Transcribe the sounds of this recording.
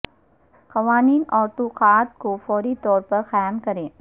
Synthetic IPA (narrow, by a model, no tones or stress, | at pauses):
xɐʋaːniːnɔːɾʈoxaːt̪kofɔːɾit̪ɔːɾpɐɾxajmkɐɾẽː